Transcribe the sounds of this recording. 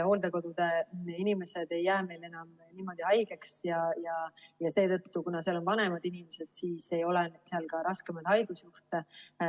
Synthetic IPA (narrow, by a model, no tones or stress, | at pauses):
ho̞ːld̪eko̞d̪ud̪̥e̞inime̞se̞d̪̥e̞jːæːme̞jle̞nɑm | niːmo̞d̪iɑjɡ̥e̞ksjɑjɑjɑse̞ːt̪ɤ̞t̪ːukunɑseɑlo̞nvɑne̞mɑd̪inime̞se̞d̪̥siːse̞jo̞len̥seɑlkɑɾɑske̞mɑd̪̥hɑjɡ̥usjuht̪e